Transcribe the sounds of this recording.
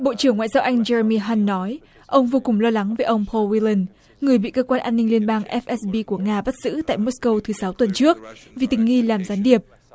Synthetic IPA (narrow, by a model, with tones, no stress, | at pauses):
ɓo̰˧˨t͡ɕɨ˧˩əŋːwa̰ː˧˨jzaː˧wʔa˧jŋ̟t͡ɕɛ˧ə˧mi˧ɦaː˧nːɔ˨˦j | ʔə˧wŋ͡mvo˧kʊ˨˩ŋ͡mlɔ˧la˨˦ŋveː˨˦ʔə˧wŋ͡mpʰo˧lwi˧li˧n | ŋɨ˨˩əjɓḭ˧˨kəː˧kwaː˧nʔaː˧nːï˧ŋli˧ənɓaː˧ŋʔɛ˦˥f̚ʔɛ˦˥sɓi˧ku˧˩əŋaː˧ɓa˦˥t̚z̥ɨ̰˧˥t̪a̰ː˧˨jmo˦˥skə˧wt̪ʰɨ˨˦sa˨˦wt̪wə˨˩nt͡ɕɨ˦˥ək̚vi˨˩t̪ï˨˩ŋ̟ŋi˧laː˨˩mzaː˨˦nɗi˨˩əp̚